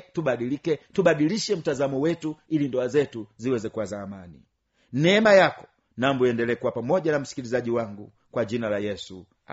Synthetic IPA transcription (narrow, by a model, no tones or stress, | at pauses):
tubaɗilikɛtuɓaɗiliʃɛm̩tazamɔwɛtuilindɔazɛtuziwɛzɛkuwazaːmani | nɛmajakɔ̥ | nambɔjɛndɛlɛkuwapamɔɟanam̩si̥kilizaʄiwaŋɡu | kwad͡ʒinalajɛsu | a̰